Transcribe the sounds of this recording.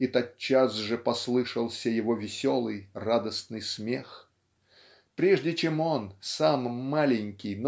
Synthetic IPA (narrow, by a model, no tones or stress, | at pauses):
it̪ɐt̪̚t͡ɕːasʐɨpɐslˠɨʂəlˠsʲəjɪvo̞vʲɪsʲo̞lˠɨjrad̪əsnɨjsmʲe̞x | pɾʲeʐdʲɪt͡ɕemo̞nsamːalʲɪnʲkʲɪjn